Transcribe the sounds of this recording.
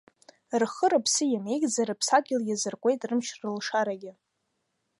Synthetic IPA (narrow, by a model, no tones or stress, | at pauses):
rχəɾɨpʰsɨjamejɡʼd͡zaɾɨpʰsaɡʲɪljazɨrkʷʼe̞jtʼrɨmʃrɨlʂaɾaɡʲɪ